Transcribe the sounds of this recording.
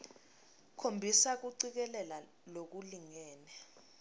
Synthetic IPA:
kʰombʱisak̬uǀik̬ɛlɛla | lok̬uliŋɛːnɛ

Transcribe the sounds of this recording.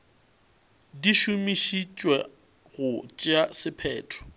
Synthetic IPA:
diʃumiʃit͡ʃʼwɛ | ɣʊt͡ʃʼasɪpʰɛːtʰɔ̥

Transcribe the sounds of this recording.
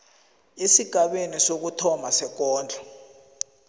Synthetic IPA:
esiɡ̥ʱaɓenisok̬utʰɔmasɛk̬ɔːnd͡ɮʱa

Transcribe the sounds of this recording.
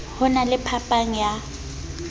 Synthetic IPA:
hʊnalɪpʰapʼaŋ̩ja

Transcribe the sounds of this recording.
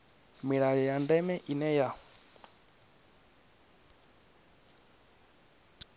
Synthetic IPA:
miɺajɔjandɛmɛʔinɛja

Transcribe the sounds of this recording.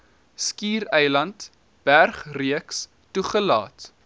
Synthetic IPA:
skiːɾɛjlɐnt | b̥ærχriəks | tuχəlɑ̰ːt

